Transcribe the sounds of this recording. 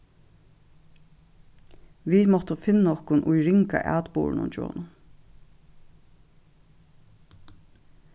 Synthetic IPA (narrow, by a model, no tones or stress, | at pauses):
ʋimɔht̪əfɪnːɔhkʊnʔʊjɹɪŋka̰ʔæ̰ːt̪bṵːɹnʊ̰nt͡ʃo̰ːnʊ